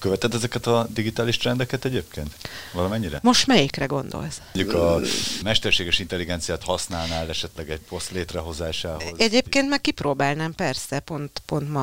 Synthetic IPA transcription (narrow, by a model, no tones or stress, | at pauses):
køvɛt̪ɛd̪ːɛzɛkɛt̪ɒd̪iɡit̪aːliʃt̪rɛnd̪ɛkɛt̪ɛɟeːpkʰeːnt̪vɒlɒmɛɲːiɾɛmo̞ʃt̪mɛjikrɛɡo̞nd̪o̰lsɟukɒmɛʃt̪ɛrʃeːɡɛʃint̪ɛlːiɡɛnt̪sijaːt̪hɒsnaːlnaːlɛʃɛt̪lɛɡɛɟ̚po̞st̪leːt̪rɛɦo̞zaːʃaːɦozɛɟeːpkeːnt̪mɛk̚kːiproːbaːlnɛmpɛrsɛpo̞nt̪po̞nt̪mɒ